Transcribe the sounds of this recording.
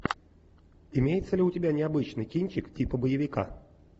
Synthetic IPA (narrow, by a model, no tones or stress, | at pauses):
ɪmʲejɪt̪səlʲɪʊtʲɪbʲanʲɪɐbɨt͡ɕnɨjkʲinʲt͡ɕɪktʲipəbəjɪvʲɪka̰